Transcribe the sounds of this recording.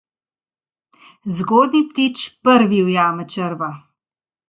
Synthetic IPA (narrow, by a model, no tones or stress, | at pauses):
zɡoːd̪nipt̪iːt͡ʃpəɾʋiwjaːmət͡ʃəɾʋa